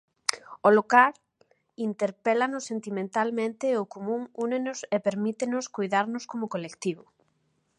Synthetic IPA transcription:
olokaɾ | int̪eɾpelanʊsːent̪imẽnt̪almẽnt̪eʊkomũŋunenʊsepeɾmit̪enʊskojðaɾnʊskomʊkolekt̪iβʊ

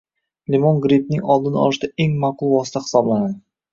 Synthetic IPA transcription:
lʲimonɡɾip̚nɪŋɒlˠd̪ɪnɒ̰ɪʃd̪ae̞ŋmaqʊlˠvɒsɪ̥t̪ʰahɪ̥sɒblˠanad̪ɪ

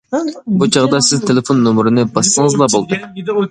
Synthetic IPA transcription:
but͡ʃʰɑʁd̪ɑsɪzt̪ʰelɪfonːomɾɨnɨbɑsːəŋəzlˠɑbolˠd̪ɨ

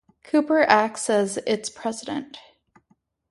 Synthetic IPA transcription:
kʰʉpə˞ʔæksɛzɪtspʰɹ̥ɛzɨɾɨ̰̃nt

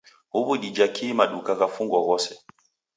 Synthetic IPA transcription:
hubuɗid͡ʒakʰiːmaɗukakafuŋɡɔɣɔsɛ

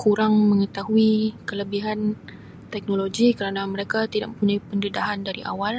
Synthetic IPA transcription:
kʰuɾaŋməŋət̪aɦuikələbiɦan | t̪ɛk̚noloɡikəɾanaməɾekat̪idaʔməpuɲajpəndədaɦandaɾiʔa̰wal

